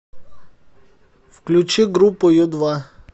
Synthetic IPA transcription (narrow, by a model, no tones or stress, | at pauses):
fklʲʊt͡ʃiɡɾupɔjʊd̪ʋa